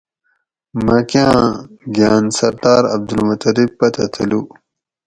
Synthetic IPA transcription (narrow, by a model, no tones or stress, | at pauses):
mɐkjãːɡjaːnsɐɾd̪aːɾɐb̚d̪ulmɐt̪ɐɾibpɐt̪ɐt̪ʰɐlu